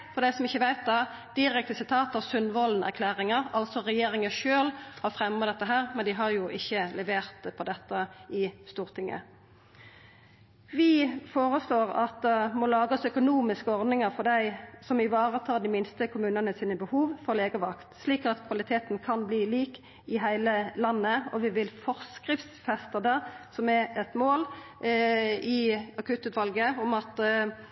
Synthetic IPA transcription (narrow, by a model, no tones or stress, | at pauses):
fɔɾd̪æɪsɔmɪçːəʋæɪt̪̚d̪ɑ | d̪̥ɪɾɛkt̪əsɪt̪ʰɑːt̪ɑʁsʉnʋɔln̩æ̰ʁkʰlæːʁɪŋəʁɑlsɔɾɛjeːɾɪŋəʃøːlhɑɾfʁɛmɑd̪ɛt̪ːəɦæːʁmɛnd̪ɪɦɑɾjʊʔɪçːəlɛʋeːʁt̪pʰɔd̪ɛt̪ːəɪst̪uːʁt̪ʰɪŋə̰ | ʋɪfoːʁəsloːʁɑt̪mɔːlɑːɡɑsœkʊnuːmɪskəɔʁd̪nɪŋɑɾfɔɖ̪æɪsɔmɪʋɑːʁət̪ʰɑːd̪ɪmɪnst̪əkʰʊmʉːnənəsiːnəbəhuːʋfɔʁleːɡəʋɑkt̪sliːkɑt̪kʰʋɑlɪt̪ʰeːt̪n̩kʰɑnbliːliːk | ɪɦæɪləlɑnːəɔʋɪʋɪlfɔʁskʁɪft̪sfɛst̪ɑd̪əsɔmɛɛt̪moːl | ɪɑkʰʉːt̪ʉːt̪ʋɑlɡəɔmɑt̪